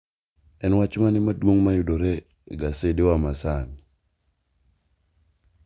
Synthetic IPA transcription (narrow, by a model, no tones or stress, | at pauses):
ɛnwat͡ʃmanɪmadwoŋmajʊdoɾe | ɡasedewamasan